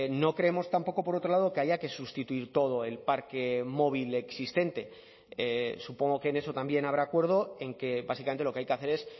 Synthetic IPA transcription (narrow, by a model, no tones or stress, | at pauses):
no̞kɾe̞emo̞st̪ampo̞ko̞po̞ɾo̞t̪ɾo̞lað̞o̞ke̞aʝake̞sust̪it̪uiɾt̪o̞ð̞o̞e̞lpaɾke̞mo̞β̞ile̞ksist̪e̞nt̪e̞ | esupo̞ŋɡo̞keːne̞so̞t̪ambje̞naβ̞ɾaːkwe̞ɾðoe̞ŋke̞basikament̪elo̞keajke̞aθe̞ɾe̞s